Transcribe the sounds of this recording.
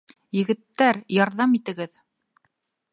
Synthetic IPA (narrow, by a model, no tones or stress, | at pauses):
jɘ̆ɡɘ̆t̪ːæɾjɑɾðɑmit̪ɘ̆ɡɘð